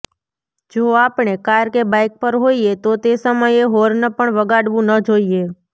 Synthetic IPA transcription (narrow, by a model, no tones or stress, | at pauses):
d͡ʒoːaːpɳ̃ekaɾkebaɪk̚pəɾɦoiet̪ot̪esəməjeɦoɾnəpəɳʋəɡaɽʋũnəd͡ʒoie